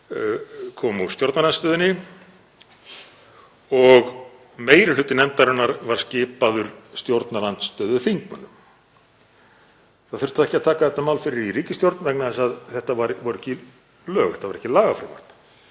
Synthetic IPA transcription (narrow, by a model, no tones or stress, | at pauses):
kʰɔːmust̪jowɾt̪nalanst̪œːðʏnːɪ | ɔɣ | meːjɾɪlʏːt̪ɪnɛnt̪aɾʏnːaɾvaɾ̥scɪːpaðʏɾ̥st̪jowɾt̪nalant̪st̪œːðʏθiŋknʏnʏm | θaðfʏr̥t̪θaɛhcɪaðt̪ʰaːkaθɛht̪ːamawlfɪɾɪɾiriːcɪst̪jowɾt̪nvɛknaðɛsaðθɛht̪avaɾvɔɾʏɛhcɪ | lœːɣɛt̪avaɾɛhcɪlaːɣafɾɪ̰ma̰ɾt̪n